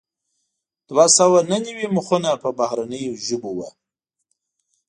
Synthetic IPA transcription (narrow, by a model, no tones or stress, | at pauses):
d̪̥wasawananawimʊxunapəbahɾanəjoʒəbowa̰